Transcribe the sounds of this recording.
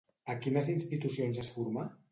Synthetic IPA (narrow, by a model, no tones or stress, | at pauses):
əkinəzinst̪it̪usionzəsfuɾma